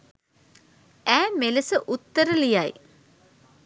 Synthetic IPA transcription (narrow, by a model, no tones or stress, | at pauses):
æːmeləsəʔut̪ːəɾəlijaj